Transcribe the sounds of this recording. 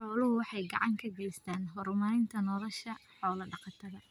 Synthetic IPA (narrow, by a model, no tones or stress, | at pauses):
ħɔːlʊɦʊwɑħɑjɡɑ̰ʕɑŋkʰɐɡɛst̪ʰaːnɦɔɾmaːɾɪnt̪ʰɐnɔðɐʃɐħɔːlɐɖɑqɑt̪ʰɐðɐ